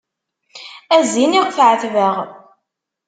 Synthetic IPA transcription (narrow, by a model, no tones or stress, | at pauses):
æziniʁθʕəθvəʁ